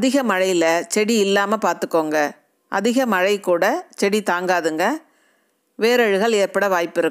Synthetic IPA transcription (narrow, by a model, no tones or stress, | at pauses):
ɐðɪɣɐmɐɻɐjlɐt͡ʃɛɽiɪlːaːmɐpaːɾt̪ɯkːoːŋɡɐ | ʔɐ̰ðɪɣɐmɐɻɐɪkuːɽɐt͡ʃɛɽit̪aːŋɡaːðɯŋɡɐ | ʋeːɾɐɻɯɣɐɭeːɾpɐɽɐʋaːjpːɪɾɯkː